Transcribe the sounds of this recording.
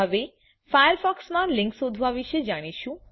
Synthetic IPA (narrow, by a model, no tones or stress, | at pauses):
əʋe | fajəɾfɔksmãlɪ̃ŋksod̪ʱʋaʋiʃed͡ʒaɽ̃iʃũ